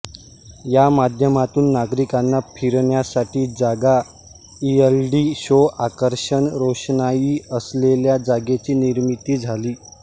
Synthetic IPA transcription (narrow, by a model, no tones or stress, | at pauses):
jamad̪ʱjəmat̪uːnːaɡɾikanːapʰiɾɳjasaʈiːd͡zaɡa | ielɖiːɕoʔakəɾɕəɳɾoɕɳajiːəsleljad͡zaɡet͡ɕiːniɾmit̪iːd͡zʱaliː